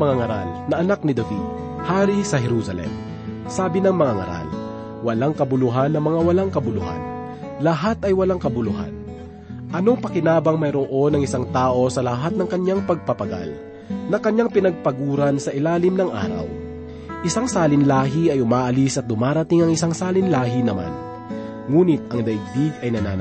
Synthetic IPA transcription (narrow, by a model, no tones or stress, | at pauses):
mɐŋaŋɐɾa̰lnɐʔɐnak̚nɪd̪ɐvḭd̪̚ | haːɾisɐɦɛɾuːsɐlɛ̰m | saːbɪnɐŋmɐŋaŋɐ̰ɾa̰l | wɐlaŋkɐbʊlʊɦanːɐmɐŋawɐlaŋkɐbʊlʊha̰n | lɐɦat̪ɐjwɐlaŋkɐbʊlʊɦa̰n | ʔɐno̞ŋpɐkɪnaːbɐŋmɐjɾoʔo̞nɐŋɪsaŋt̪aːʔo̞sɐlɐɦat̪̚nɐŋkɐɲjaŋpɐɡ̚pɐpɐɡa̰l | nɐkɐɲːaŋpɪnɐɡ̚pɐɡuːɾɐnsɐʔɪlaːlɪmnɐŋʔa̰ːɾɐ̰w | ʔɪsaŋsaːlɪnlaːɦɪɐjʊmaːʔɐlisʔɐt̪̚d̪ʊmaːɾɐt̪ɪŋɐŋɪsaŋsaːlɪnlaːɦɪnɐma̰n | ŋuːnɪt̪̚ɐŋd̪ɐʔɪɡ̚biɡɐjnɐna̰ː